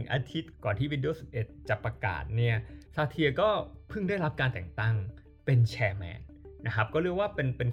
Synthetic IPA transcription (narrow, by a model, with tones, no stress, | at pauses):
ŋʔa̰ː˧t̪ʰi˦˥t̪̚kɔː˨˩nt̪ʰiː˥˩i˧ndi˧oː˧˩si˨˩p̚ʔe˨˩t̪̚t͡ɕa˨˩pːɾa˧ka̰ː˨˩t̪̚ni˥˩ɐsaː˧t̪ʰi˧ɐkɔː˥˩pʰɯ˥˩ŋdaː˥˩jɾa˦˥p̚kaː˧nt̪ɛ˨˩ŋt̪a˥˩ŋ | pe˧nt͡ɕʰɛː˧mɛ̰ː˧nː | a˦˥kʰa˦˥p̚kɔː˥˩ɾɯ˥˩əwaː˥˩pe˧npe˧n